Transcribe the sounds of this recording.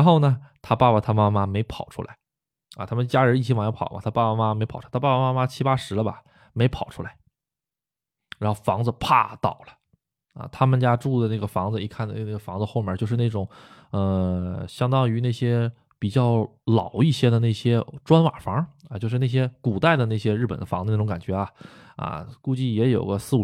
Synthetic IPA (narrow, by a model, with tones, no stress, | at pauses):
ɻa˧˥nxo˥˩ʊnə˩t̪ʰa˥pa˥˧˩pa˨˩t̪ʰa˥ma˥ma˥me˧˥ɪpʰɑ˨˩ʊʈ͡ʂʰu˥la̰˧˥ɪ | ɐ̰˧˩t̪ʰa˥mə˨nt͡ɕja˥ɻə˧˥i˥˩t͡ɕʰi˥wɑ˨˩ŋjpʰɑ˨˩ʊmɐ̰˧˩t̪ʰa˥pa˥˩pa˨˩ma˥me˧˥ɪpʰt̪ʰa˥pa˥˩pa˧˩ma˥ma˥t͡ɕʰi˥pa˥ʂɻ̩˧˥ə˧bɐ̰˨ | me˧˥ɪpʰɑ˨˩ʊʈ͡ʂʰu˥la˧˦ɪ | ɻa˧˥nxo˥˩ʊfɑ˧˥ŋd͡zə˧pʰa̰˥˧t̪ɑ̰˨˩ʊlə̥˦ | ɐ̰˨t̪ʰa˥mə˨nt͡ɕja˥ʈ͡ʂu˥˩d̪ə˩na˥˩ɡə˩fɑ˧˥ŋd͡zɹ̩˧i˥˧kʰa˥˩nə˥˩na˥˩ɡə˩fɑ˧˥ŋd͡zə˧xo˥˩ʊmjə˞˥˩t͡ɕjo˥˧ʊʂɻ̩˥˧na˥˩ʈ͡ʂʊ˨˩˦ŋ | ə˧ɕjɑ˥ŋt̪ɑ˥ŋy˧˥na˥˩ɕjɛ˥ | pi˨˩t͡ɕjɑ˥˩ʊ | lɑ˨˩˦ʊi˥˩ɕjɛ˥d̪ə˨˧ne˥˩ɪɕjɛ˥ʈ͡ʂwa˥nwa˨˩fɑ˧˥ŋɐ˧t͡ɕjo˥˧ʊʂ̬ɻ̩˥˧na˥˩ɕjɛ˥ku˨˩t̪a˥˧ɪd̪ə˩na˥˩ɪɕ̬jɛ˥ɻ̩˥˩pə̰˨˩nd̪ə˦fɑ˧˥ŋd͡zə˧ne˥˩ʊ˧˥ŋka˨˩nt͡ɕɥɛ˧˥ɐ˧ | ɐ̰˧ku˥˧t͡ɕi˥˩jɛ˧˥jo̰˨˩ʊɡə˦sɹ̩˥˩u˨˩